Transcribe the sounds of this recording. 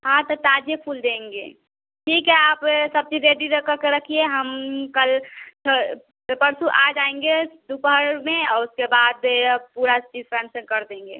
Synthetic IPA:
ɦãt̪ɔt̪aːd͡ʒepʰuld̪ẽːŋɡḛː | ʈʰiːkɦɛaːpsɐb̚t͡ʃiɾeɖiɾəkəkeɾəkʰieɦəmkəlt͡ʃʰə | pəɾsuʔaːd͡ʒaːẽŋɡed̪upɦəɾmẽɔːɾʊskebaːd̪puːɾat͡ʃizpɾɛːnsə̃kəɾd̪ẽːŋɡḛː

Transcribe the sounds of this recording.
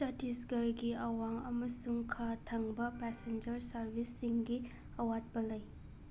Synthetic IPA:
tɐtisɡɐɾɡiɐwaŋɐmɐsuŋkʰatʰɐŋbɐpɛsend͡ʒɐɾsɐɾbʱisːiŋɡi | ɐwat̚pɐlɐj

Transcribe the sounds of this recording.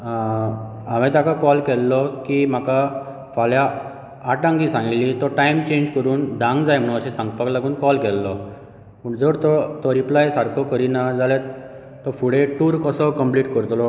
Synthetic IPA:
amɛ̃t̪akakɔlkɛlːɔkim̤aka | faljaː | ɖãŋɡĩsãŋɡlit̪ɔʈajmt͡ɕẽɲd͡ʑkəɾuːnd̪ãŋɡd͡zajm̤əɽũəɕɛ̃sãŋɡpaklaɡuːnkɔlkɛlːɔ | məɳd͡zəɾt̪ɔt̪ɔɾiplajsaɾkʰokəɾinad͡zalẽ | t̪ːɔfuɽeʈuːɾkəsɔwkəmpliːʈkəɾt̪lɔ

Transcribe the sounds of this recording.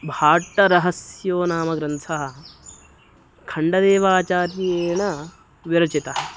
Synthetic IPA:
bʱaːʈːɐɾɐɦɐsjoːnaːmɐɡɾɐnsʰɐɦɐ̆ | kʰɐɳɖɐd̪eːʋaːt͡ʃaːɾjeːɳɐ | ʋiɾɐt͡ʃit̪ɐɦɐ

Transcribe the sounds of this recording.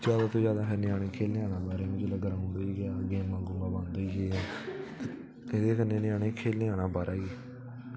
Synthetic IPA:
d͡ʒjaːd̪aːt̪oːd͡ʒjaːd̪aːpʰeɾnɪaːɽeːkʰeːlːẽːãːnãːbaːɾeːmʊ̃d͡ʒləɡɾaːɦʊ̃nd̪aiːɡaːɡeːmːãːɡʊŋɡaːbãːnd̪aiːɡeːa | ed̪eːkənːeːnɪaːɽẽːkʰeːlːẽːaːnãːbaːɾaːɡiː

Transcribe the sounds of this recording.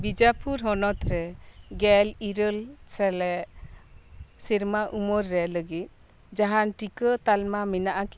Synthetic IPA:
bid͡ʒapʰuɾɦɔnɔt̪ɾɛɡɛliɾəlsɛlɛ | siɾmaʔumɔɾːɛləɡit̪̚ | d͡ʒaɦanʈikət̪almaminaʔak

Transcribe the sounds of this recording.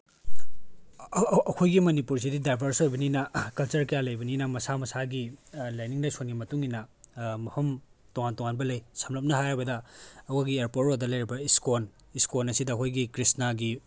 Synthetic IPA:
ɐkʰojɡimɐnipuɾs̬ididajbʱɐɾsojbɐninɐkɐlt͡ʃɐɾkɐjalɐjbɐninɐmɐsamɐsaɡilajniŋlɐjsonɡimɐtuŋinɐmɐhɐmtoŋantoŋanbɐlɐjsɐmlɐp̚nɐɦajabɐdɐːkʰoɡieɾpoɾtodɐlɐjɾibɐiskon | iskonɐsidɐːkʰojɡikɾisnaɡi

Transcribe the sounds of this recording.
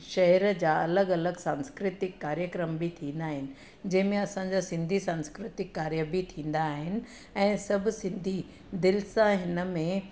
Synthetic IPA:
ʃɐɦəɾd͡ʑaːɐləɡɐləɡsãːnskɾɪt̪ɪkːaːɾjəkɾəmbit̪ʰĩːn̆d̪aːɦɪnɪ̆ | d͡ʑɐ̃ɦɪ̃mẽɐsãd͡ʑasɪ̃nd̪ʱisãːnskɾɪt̪ɪkːaːɾjəbʱit̪ʰĩːn̆d̪aːɦɪnɪ̆ | ɛ̃ːsɐbʱʊ̆sɪ̃nd̪ʱi | d̪ɪlsãɦɪnə̆mẽ

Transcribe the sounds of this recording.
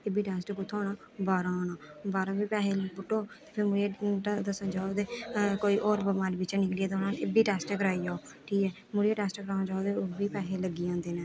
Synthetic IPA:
ebiːʈɛːsʈːkʊt̪ʰːaːnaː | baːɾãːnaːbaːɾãːbiːpɛːɦeːlbʊʈːoːt̪eːpʰɪɾmʊɾeːd̪əsənd͡ʒaːod̪eːkoːiːʔɔːɾbəmaːlːbɪt͡ʃɛnɪkliːaːt̪eʊnaːnɪbiːʈɛːsʈɛkəɾaːiːjaːoː | ʈʰiːkɛː | mʊɽijeːʈɛːsʈːkəɾãːd͡ʒaːod̪eːoːbiːpɛːɦeːləɡːiːãːnd̪eːneː

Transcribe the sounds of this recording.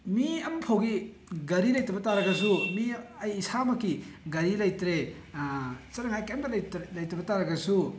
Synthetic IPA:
miɐmpʰowɡi | ɡɐɾilɐjtɐbɐtaɾɐɡɐs̬umiɐjːsamɐkːiɡɐɾilɐjtɾe | t͡ʃɐɾɐŋajkanɡɐlɐjtɐbɐtaɾɐɡɐsu

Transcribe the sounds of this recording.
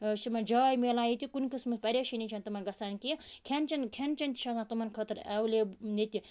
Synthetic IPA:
simɐnd͡ʒaːjmeːlãːjit̪ʲikunkismɨspɐɾʲeʃinʲit͡ʃʰɐnt̪ɐmɐnɡɐsaːnkikʲʰent͡ʃɐnkʰʲent͡ʃɐnt̪ʲi̥ʃɐ̃zãːt̪umɐnkʰɐt̪ɨɾɐwlʲenet̪ʲi

